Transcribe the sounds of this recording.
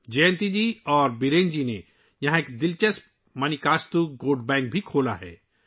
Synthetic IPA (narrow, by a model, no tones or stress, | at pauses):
d͡ʒɛ̃ːnt̪id͡ʒiːɔːɾbɪɾẽːnd͡ʒine | jɐɦãeːkd̪ɪlt͡ʃəs | mɐnikaːst̪uɡoːɖbɛ̃ːŋk̚bʱikʰoːla̰ɦɛ̰ː